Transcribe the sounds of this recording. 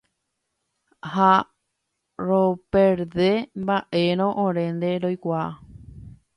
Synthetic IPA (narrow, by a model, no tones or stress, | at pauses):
ha | ɾopeɾðe̞mbaʔe̞ɾ̃õʔõɾẽ̞nd̪e̞ɾojkʷaa̰